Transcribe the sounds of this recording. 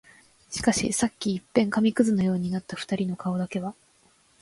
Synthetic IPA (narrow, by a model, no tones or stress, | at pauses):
ɕi̥kaɕḭsakʲːiːpːẽ̞ŋkamʲikɯ̟zɨno̞jo̞ːɲ̟inat̪ːaɸɯ̟̥t̪aɾʲino̞kao̞d̪ake̞βa